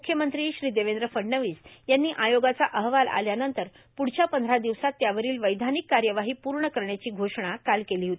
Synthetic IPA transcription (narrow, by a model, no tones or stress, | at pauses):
mukʰjəmənt̪ɾiːɕɾiːd̪eʋend̪ɾəfəɳnəʋiːsjanːiːʔajoɡat͡saʔəɦʋala̰ljanənt̪əɾ | puɽ̤t͡ɕjapənd̪ʱɾad̪iʋsat̪ːjaʋəɾiːlʋəjd̪ʱanikːaɾjəʋaɦiːpuɾɳəkəɾɳjat͡ɕiːɡʱoʂɳ̃akalkeliːɦot̪i